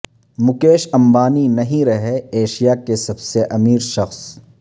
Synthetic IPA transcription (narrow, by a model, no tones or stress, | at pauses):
mʊkeːʃɐ̃mbaːninɐɦĩɾɐɦeeːʃijakesɐbseʔɐmiːɾʃɐxs